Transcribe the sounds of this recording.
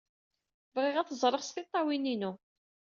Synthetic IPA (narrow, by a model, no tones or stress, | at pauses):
vʁɪʁæθəzˤɾˤəʁst̪it̪ˤːɑwininu